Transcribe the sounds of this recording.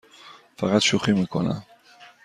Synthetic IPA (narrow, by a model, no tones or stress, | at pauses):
faʁat̪ʃuχimeko̰na̰